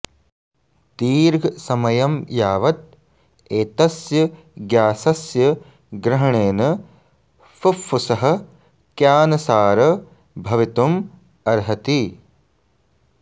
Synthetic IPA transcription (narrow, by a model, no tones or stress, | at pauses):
t̪iːɾɡʱsɐmɐjɐmjaːʋɐt̪̚ | eːt̪ɐsjɐ | ɡjaːsɐsjɐ | ɡɾɐɦɐɳeːnɐ | fufːusɐɦɐ̆ | kjaːnɐsaːɾɐ | bʱɐʋit̪um | ɐɾɦɐt̪i